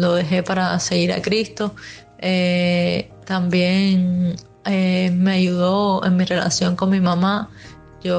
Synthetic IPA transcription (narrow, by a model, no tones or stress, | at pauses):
lo̞ðe̞ɦe̞paɾase̞ɣiɾa̰kɾist̪o̞ | e | t̪ambje̞ŋ | emeaʝuðo̞e̞̰ŋmire̞la̰sjo̞ŋko̞ŋmĩmãma | ʝo